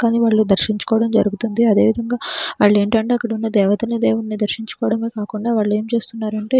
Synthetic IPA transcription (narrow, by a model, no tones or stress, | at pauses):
kaːniːʋaːɭːud̪ɐɾʃiɲt͡ʃu̥kɔːʋɐɽɐmd͡ʒɐɾuɡut̪und̪iɐd̪e̞ːʋid̪ʱɐŋɡaːʋaːɭːe̞ːɳʈɐɳʈeːɐkːɐɽiunːɐd̪ɛːʋɐt̪ɐnid̪ɛːʋɐt̪nid̪ɐɾʃiɲt͡ʃu̥kɔːʋɐɽɐmeːkaːkuɳɖaːʋaːɭːe̞ːmt͡ʃe̞ːst̪unːaːɾɐɳʈe̞ː